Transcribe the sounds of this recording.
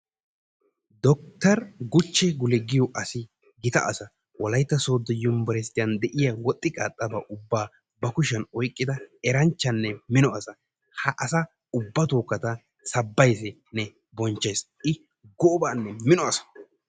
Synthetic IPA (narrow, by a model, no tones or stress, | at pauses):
d̪ɔk̚t̪ɐɾɡʊt͡ʃːɛɡʊlɛɡɪjɔʔɐsɪ | ɡɪt̪ɐ̰ʔɐsɐ | wɔlɐjt̪ːɐso̞ːd̪ːɔjʊmbɔɾɛst̪ːɪjɐnd̪ɛʔɪjawɔt̪ʼːɪkʼaːt̪ʼːɐba̰ːʔʊbːaː | bɐkʊʃɐnɔjkʼːɪd̪ɐɛɾɐnt͡ʃːɐnːɛmɪnɔɐsɐ | hɐʔɐsɐ | ʊbːɐt̪oːkːɐt̪ɐ | sɐbːɐjsɪ | nɛ | bɔnt͡ʃːɐjs | ɪ | ɡɔbaːnːɛmɪnɔɐsɐ̥